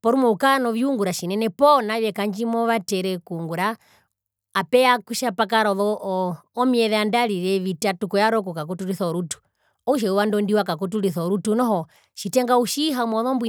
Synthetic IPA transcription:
pɔɾumɔukanɔʋiuŋɡuɾaʃinɛnɛpɔnaʋɛkaɲd͡ʒimɔʋatɛɾɛkuŋɡuɾaː | pɛakuʃapak̬aɾɔðɔʔːmiɛðɛandaliɾɛʋitatukɔjaɾɔkɔkak̬ɔtuɾiθɔɔɾutu̥ | ɔuʃ̬ɛuwandɔndiwakakɔtuliθɔɾutunɔɦɔ | ʃitɛŋɡauʃiɦamɔðɔmbwi

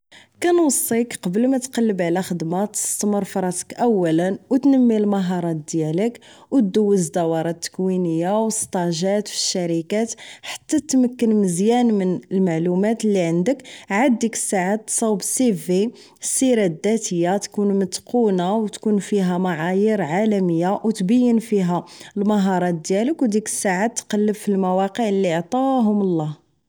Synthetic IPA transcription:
kænwɑsˤːikqɑbəlmæt̪qɑlːəbʕlæxəd̪mɑt̪ə̥st̪məɾˤfɑɾˤɑt̪ə̥kʔæwːælənwt̪nəmːilmɑɦɑɾˤɑt̪̚d̪jæləkwtd̪uwːəzd̪ɑwɑɾˤɑt̪ːə̥kwinəjːawəst̪ˤɑʒæt̪fi̥ʃːæɾikæt̪ħḁt̪ːæt̪ːməkːənməzjænmənəlmaʕlumæt̪lːiʕənd̪əkʕad̪̚d̪ikə̥sːaʕat̪ːsˤɑwbsivi | sːiɾæd̪æt̪əjːat̪kunmət̪qunawt̪kunfiɦæmaʕajəɾʕalæməjːawt̪bəjːənfiɦælmɑɦɑɾˤɑt̪̚d̪jæləkwd̪ikə̥sːaʕat̪ːqɑlːəbfilmæwɑqəʕlːiʕt̪ˤɑɦʊməlˤːɑh

